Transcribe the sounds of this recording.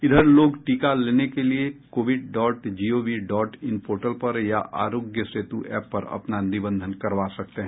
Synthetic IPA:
ɪd̪ʱəɾloːɡʈiːkaleːnekeliekoːʋɪɖɖɔːʈd͡ʒiːoːʋiɖɔːʈɪnpoːɾʈəlpɐɾjaʔa̰ːɾoːɡjəsɾeːt̪uʔɛːpːɐɾɐ̰pnanɪbə̃nd̪ʱənkɐɾʋaːsɐk̚t̪eɦɛ̃ː

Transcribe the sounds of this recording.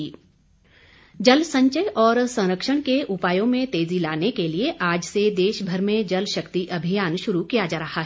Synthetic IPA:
d͡ʒɐlsɐ̃ɲt͡ʃəjʔɔːɾsɐ̃ŋɾəkʃəɽ̃keʔʊpaːjõmẽt̪eːzilaːnekelieʔaːd͡ʒsed̪eːʃbʱəɾmẽd͡ʒɐlʃɐkt̪iʔɐbʱijaːnʃʊɾukijad͡ʒaːɾɐɦaɦ

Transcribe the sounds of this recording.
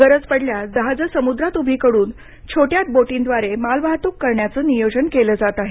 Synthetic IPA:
ɡəɾəd͡zpəɽljad̪əɦad͡zəsəmud̪ɾat̪ubʱikəɽuːn | t͡ɕʰoʈjat̪̚boʈĩnd̪ʋaɾemalʋaɦt̪ukːəɾɳjat͡səːnijod͡ʑənkeləːd͡zat̪aɦe

